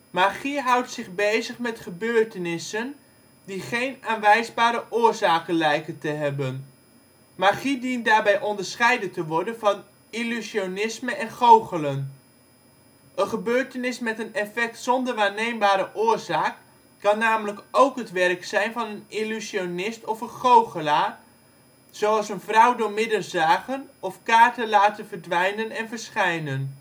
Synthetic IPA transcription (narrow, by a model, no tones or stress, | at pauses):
maːχiɦʌwtsɪχbejzəχmɛtχəbøːɹtənɪsən | diχejnaːnʋɛjzbaːɾəʔʊːrzaːkənlɛjkəntəɦɛbən | maχidint̚daːɹbɛjʔɔndəɹsχɛjdəntəʋɔɹdənvɑn | ilysionɪsməɛnχowχələn | ʔənχəbøːɹtənɪsmɛtənɛfɛk̚tsɔndəɹʋaːɹnejmbaːɾəʔʊːɹzaːkː | ɑnːaːmələkowkɦətʋɛrksɛjnvɑnənilyzionɪstɔfənχowχəlaː | z̥oɑlˠsənvrʌwdʊːɹmɪdərzaːχənɔfkaːɹtəlaːtənvərdʋɛjnənɛnvəɹsχɛjnən